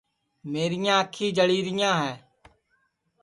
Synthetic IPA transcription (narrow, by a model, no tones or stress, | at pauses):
meːɾɪjãːəkʰiːd͡ʒəɽiːɾɪjãːɦɛː